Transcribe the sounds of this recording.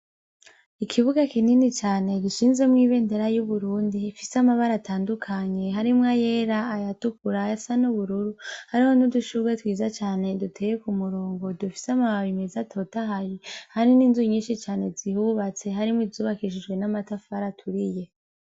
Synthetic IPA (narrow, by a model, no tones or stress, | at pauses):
ikʰiβuɡakininit͡ʃaːne̞ɡiʃiːnze̞mŋiːβe̞ːndeɾajuβuɾuːndifisamaβaɾatʰaːndukʰaɲe̞ɦaɾimŋaje̞ːɾaːjatukuɾajasanuβuɾuɾuhaɾihonuduʃuɡwetwiːzat͡ʃaːne̞dutʰeːjekumuɾoːŋɡo̞dufi̥samaβaβimezatʰo̞taɦajihaɾiniːnzuɲiːʃit͡ʃaːne̞zihuβat͡se̞ɦaɾimŋwizzuːβakiʃid͡ʒɡwe̞namatafaɾatʰuɾije̞